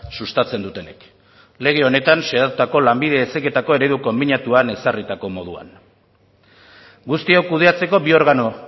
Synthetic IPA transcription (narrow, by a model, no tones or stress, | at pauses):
sust̪at͡se̞nd̪ut̪e̞ne̞k | le̞ɣ̞e̞o̞ne̞t̪anseat̪ut̪ako̞lambið̞e̞ːseke̞t̪ako̞e̞ɾe̞ðuko̞mbinat̪uane̞sarit̪ako̞mo̞ð̞ua̰n | ɡust̪iawkuð̞e̞at͡se̞ko̞bio̞ɾɣano̞